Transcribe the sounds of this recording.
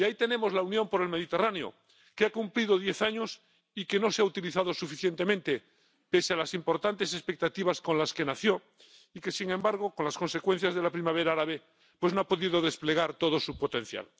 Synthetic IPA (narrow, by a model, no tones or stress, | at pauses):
jait̪e̞ne̞mo̞zlaunjõ̞mpoɾe̞lme̞ðit̪e̞raneo̰ | keakumpliðoðjeθaɲos | ike̞no̞seaut̪iliθaðosufiθje̞nt̪emẽnt̪e | pe̞sealasimpo̞ɾt̪ant̪e̞se̞spe̞k̚t̪at̪iβ̞asko̞nlaske̞naθjo̞ | ike̞siŋẽ̞mbaɾɣ̞o̞konlasko̞nse̞kwe̞n̟θjazðe̞lapɾimaβ̞e̞ɾaaɾaβe | pwe̞znoapo̞ðiðoðe̞spleɣ̞aɾt̪oð̞osupot̪ẽ̞n̟θja̰l